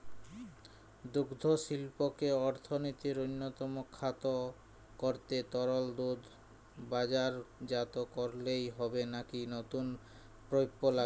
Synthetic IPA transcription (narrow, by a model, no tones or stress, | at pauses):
d̪uɡd̪ʱoʃilpokeɔɾt̪ʰonot̪iɾojnːot̪ɔmokʰːat̪o | koɾt̪et̪ɔɾold̪ud̪ | bad͡ʑaɾd͡ʑat̪okoɾlejɦɔbenakinot̪un | pɾojpːola